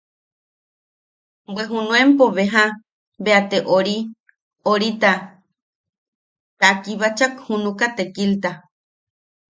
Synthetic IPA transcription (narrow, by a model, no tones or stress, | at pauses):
bweɦunũempoβeɦa | beat̪eʔoɾi | oɾit̪a | t̪akiβat͡ʃakhunukat̪ekilt̪a